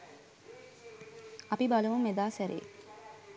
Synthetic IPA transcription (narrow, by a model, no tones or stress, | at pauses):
ɐpibalɐʋumed̪aːsæɾḛː